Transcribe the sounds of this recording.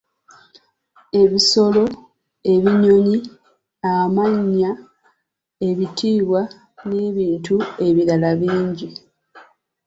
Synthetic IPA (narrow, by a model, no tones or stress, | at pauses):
e̞βiso̞lo̞ | e̞βiɲo̞ɲi | amaɲːa | e̞βitʰiːβwa | neβiːntue̞βiɾalaβiːɲɟi